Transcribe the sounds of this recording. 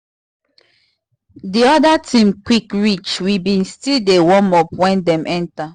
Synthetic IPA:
diɔdatʰĩmkwikɹit͡ʃwibĩnstildewɔmɔpwɛ̃ndɛ̃mʔɛ̃nta

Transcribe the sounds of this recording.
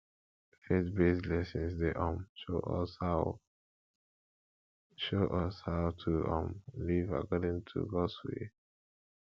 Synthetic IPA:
fetbeslɛsĩnsdeʔɔ̃mʃo̰ʔɔ̰shaʊ | ʃoʔɔshaʊtʰuʔɔ̰̃mliva̰kɔdĩŋtʰṵɡɔswḛ

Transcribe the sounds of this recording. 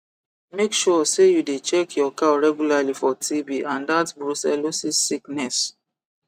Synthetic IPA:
mekʃɔsejudet͡ʃɛkʰjɔkaɹɛɡjulalifɔtʰibiʔãndatbɹusɛlosisiknɛs

